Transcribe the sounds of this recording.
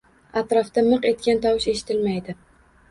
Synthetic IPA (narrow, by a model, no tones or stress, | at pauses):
at̪ɾɒft̪amɨqe̞t̪̚kʲant̪ʰɒwɪʃe̞ʃɪ̥t̪ʰɪlmajd̪ɪ